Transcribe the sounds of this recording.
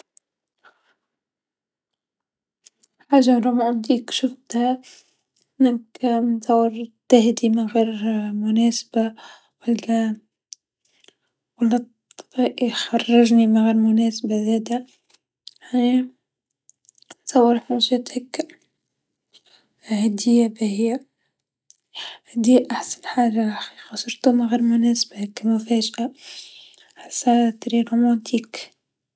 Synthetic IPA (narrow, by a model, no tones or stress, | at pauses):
ħaːʒːaɾˤumʕand̪iːkʃʊft̪ha | nakmɪnsɑwːɑɾt̪ɪɦd̪imɪnɣeːɾmʊnæːsb̥a | walːa | walːɑt̪ˤːb̥iːʔixɑrˤːɑʒnimɪnɣeːɾmʊnæːsbazæːd̪a | ani | sɑwːɑɾˤħmuʒæt̪hakː | hæd̪ɪjæbæhijːæ | hd̪iːʔaħsanħaːʒaʕaxiːqɑsɑɾˤt̪umɪɣiːɾmʊnæːsbahkːmʊfæːʒʔa | ħḁsːat̪ˤɾiɾumɑnt̪ʰiːk